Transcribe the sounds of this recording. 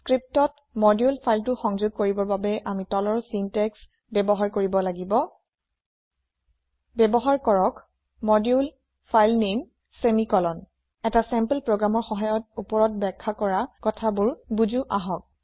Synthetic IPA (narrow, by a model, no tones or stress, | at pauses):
skɹip̚tɔt̚ | mɔdjulpʰajltʊxɔŋzʊɡ̚koɹibɔɹbabɛʔamitɔlɔɹsintɛks | bɛbɔɦaɹkoɹibɔlaɡibɔ | bɛbɔɦaɹkɔɹɔk | mɔdjul | pʰajlnem | semikɔlɔn | ɛtasɛmplpɹoɡɹamɔɹxɔɦajɔt̚upɔɹɔt̚bɛkʰːakɔɹakɔtʰabʊɹbuzuʔaɦɔk̚